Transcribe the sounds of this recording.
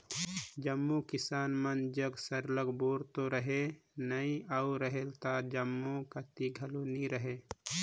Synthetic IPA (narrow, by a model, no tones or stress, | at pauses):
d͡ʒəmːukɪsaːnmənd͡ʒəɡsəɾləɡboːɾt̪oɾəɦenəĩauɾəɦelt̪ad͡ʒəmːokət̪iɡʱɐloniɾəɦe